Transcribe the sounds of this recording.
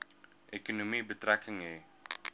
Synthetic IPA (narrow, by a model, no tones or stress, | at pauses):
ʔekonomibət̪ɾakʰəŋe